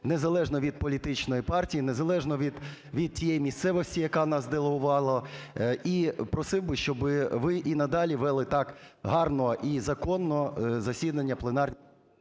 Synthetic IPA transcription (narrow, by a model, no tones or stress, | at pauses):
nezɐlˠɛʒnɔʋʲid̪̚pɔlʲit̪ɪt͡ʃnɔjipɑrtʲijinezɐlˠɛʒnɔʋʲid̪ | ʋʲid̪̚tʲijɛjimʲist̪sɛʋɔsʲtʲijɐkɑnɑsd̪elˠeɦʊʋɑlˠɐ | ipɾɔsɪwbɪʃt͡ʃɔbɪʋɪʔinɐd̪ɑlʲiʋɛlˠɪt̪ɑkɦɑrnɔʔizɐkɔnːɔzɐsʲid̪ɐnʲːɐplˠenɑrnʲ